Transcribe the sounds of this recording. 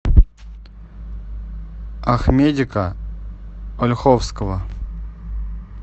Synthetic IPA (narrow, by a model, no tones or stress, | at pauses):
axmʲedʲɪkə | olʲxofskəvə